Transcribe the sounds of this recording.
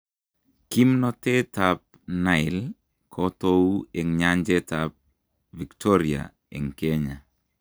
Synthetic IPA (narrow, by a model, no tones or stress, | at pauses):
kimnɔtetap̚ | naɪl | kʰɔtoueŋɲaɲd͡ʒɛtap̚ | viktoɾia̰ | ḛŋkeɲa̰